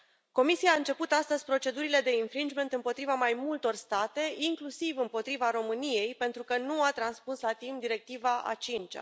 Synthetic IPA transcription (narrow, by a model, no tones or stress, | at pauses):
ko̞misijaːɨnt͡ʃe̞put̪ast̪əzʲpɾo̞t͡ʃe̞d̪uɾile̞d̪e̞infɾind͡ʒme̞nt̪ɨmpo̞t̪ɾivamajmult̪o̞rst̪at̪e̞iŋklusivɨmpo̞t̪ɾivaɾo̞mɨnije̞jpe̞nt̪ɾukənuat̪ɾanspuslat̪imp̚d̪iɾe̞k̚t̪ivaʔa̰t͡ʃint͡ʃa̰